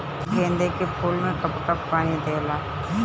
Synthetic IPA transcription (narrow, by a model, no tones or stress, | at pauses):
kẽːnd̪ekepʰuːlmẽkəpkəpːaːnid̪eːlaː